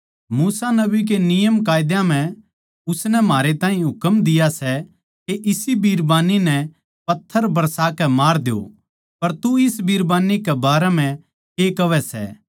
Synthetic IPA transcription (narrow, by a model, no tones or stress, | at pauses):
muːsanɐbik̬enɪjəmkaːjd̪jãm̤ɛ̃ | ʊsnɛmaːɾet̪ãːɦĩɦʊkəmd̪ɪjasɛ | keʔɪsibiːɾbaːninɛ | pɐt̪ʰːəɾbɐɾsaːkɛmaːɾd̪eo̰ | pɐɾt̪uɪsbiːɾbaːnikɛbaːɾɛm̤ɛ̃ | keːkɐʋɛsɛ̰ː